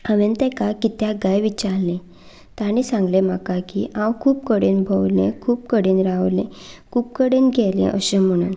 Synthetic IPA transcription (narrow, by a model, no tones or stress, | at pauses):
əʋent̪ɛkakit̪jaɡajʋit͡ɕaɾlẽ | t̪aɽ̃isãŋɡlem̤akakiʔãwkʰuːpkəɽenbʱəwlḛ̃kʰuːp̚kəɽenɾaʋlḛ̃kʰuːp̚kəɽenɡʱɛlḛ̃ʔəɕem̤əɽ̃ṵːn